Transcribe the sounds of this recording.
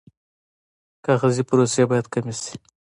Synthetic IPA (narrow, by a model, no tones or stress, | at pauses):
kaɣazipʊɾosjebɑjad̪kamisi̥